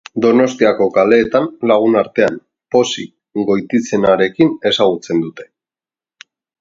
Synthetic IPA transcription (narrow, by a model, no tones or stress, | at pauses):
d̪o̞no̞st̪iako̞kale̞ːt̪anlaɣ̞unaɾt̪e̞a̰n | po̞si | ɡo̞jt̪it͡se̞naɾe̞kine̞saɣ̞ut͡se̞nd̪ut̪e̞̥